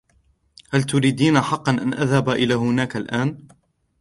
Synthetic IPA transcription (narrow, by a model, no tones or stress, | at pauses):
halt̪ʊɾiːd̪iːnaħɑqːɑnʔanʔaðhabaʔɪlaːɦʊnaːkalʔaːn